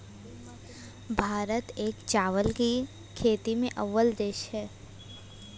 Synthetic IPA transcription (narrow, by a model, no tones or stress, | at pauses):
bʱaːɾət̪eːkt͡ʃaːʋəlki | kʰeːt̪imẽʔəʋːəld̪eːʃɦɛː